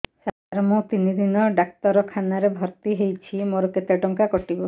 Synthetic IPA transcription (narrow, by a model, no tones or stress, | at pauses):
sad̪ʱaɾɔmot̪inid̪inɔɖak̚t̪ɔɾɔkʰanaɾebʱɔɾt̪iɦejt͡ʃʰimoɾɔket̪eɖɔŋkakɔʈibɔ